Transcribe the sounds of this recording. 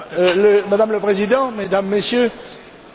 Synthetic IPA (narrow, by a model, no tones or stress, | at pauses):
ləmad̪amləpχezid̪ɑ̃med̪amːesjø